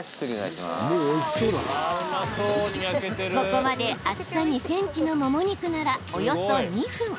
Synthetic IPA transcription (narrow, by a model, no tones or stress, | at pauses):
moo̥t̪oɾa̰ | ko̞ko̞mad̪e̞at͡sɨ̥saɲisẽ̞ɲ̟t͡ɕino̞mo̞mo̞ɲ̟ikɯ̟naɾao̞jo̞so̞ɲ̟iɸɯ̟̃ɴ